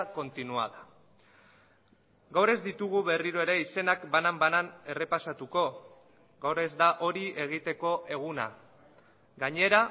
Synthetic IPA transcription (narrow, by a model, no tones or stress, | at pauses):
ko̞nt̪inua̰ða | ɡawɾe̞zd̪it̪uɣuβe̞riɾo̞e̞ɾe̞ise̞nakbanambanane̞re̞pasat̪uko̞ | ɡawɾe̞zd̪aʔo̞ɾie̞ɣ̞it̪e̞ko̞ʔe̞ɣ̞una̰ | ɡaɲe̞ɾa